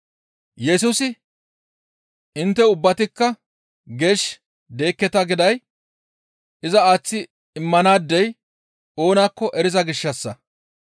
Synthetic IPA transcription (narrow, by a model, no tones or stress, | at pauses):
jɛs̬uːsɪ | ɪnt̪ːɛʊbːɐt̪ɪkːɐ | ɡe̞ːʃ | d̪e̞ːkːɛt̪ɐɡɪd̪ɐj | ɪzɐaːt͡sːɪ | ɪmːɐnaːd̪ːɛj | o̞ːnaːkːɔʔɛɾɪzɐɡɪʃːɐsːɐ